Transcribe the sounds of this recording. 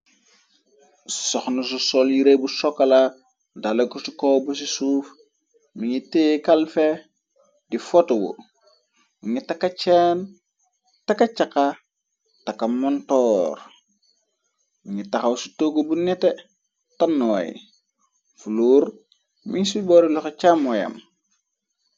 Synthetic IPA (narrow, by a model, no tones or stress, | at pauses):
soxnus̬usoljiɾebusokːala | dalɐkusikobus̬isuf | miɲitekalfe | difotowo̰ | miŋitakːat͡ʃen | takːat͡ʃaka | takːamontɔːɾ | miŋitaxawsutoɡobunete | tanːojḭ | fuluːɾ | miɲsiboːɾiloxet͡ʃamojɐ̰m